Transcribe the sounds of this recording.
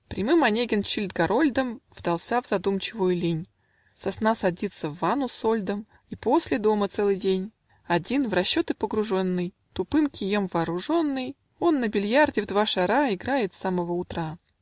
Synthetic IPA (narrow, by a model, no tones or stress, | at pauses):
pɾʲɪmɨmɐnʲeɡʲɪnt͡ɕilʲd̪̚ɡɐɾo̞lʲd̪əmvd̪ɐlˠsʲavz̥ɐd̪umt͡ɕɪvʊjʊlʲinʲ | sɐsnasɐdʲit̪sːəvːanʊsolʲd̪əm | ipo̞sʲlʲɪd̪o̞mət̪sɛlˠɨjdʲenʲ | ɐdʲinvrɐɕːo̞t̪ɨpəɡɾʊʐo̞nːɨj | t̪ʊpɨmkʲɪjemvɐːɾʊʐo̞nːɨj | o̞nːəbʲɪlʲjardʲɪvd̪vaʂɐɾaɪɡɾajɪt̪saməvəʊt̪ɾa